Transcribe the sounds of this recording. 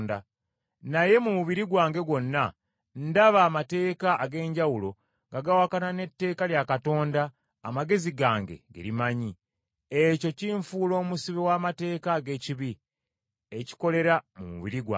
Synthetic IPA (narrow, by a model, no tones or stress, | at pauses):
nda | naje̞mumuβiɾiɡwaːŋɡe̞ɡwo̞nːa | ndaβaːmate̞ːkaʔːɡe̞ːɲɟawulo̞ | ŋɡaɡawakanane̞tːe̞ːkaljakato̞ːndaː | maɡe̞ziɡaːŋɡe̞̰ɡḛɾimaɲi | eco̞ciɱfuːlo̞ːmusiβewaːmate̞ːkaːɡe̞ciβi | eci̥ko̞le̞ɾamṵmṵβḭɾiɡwa̰